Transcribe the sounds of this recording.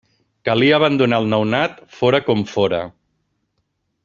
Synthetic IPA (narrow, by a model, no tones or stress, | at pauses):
kəliəːβ̞and̪unaːlˠnawnat̪foɾəkɔmfoɾə